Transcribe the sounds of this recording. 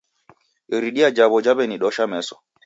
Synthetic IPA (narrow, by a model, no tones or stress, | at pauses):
ɾiɗiad͡ʒaβɔd͡ʒaβɛniɗɔʃamɛsɔ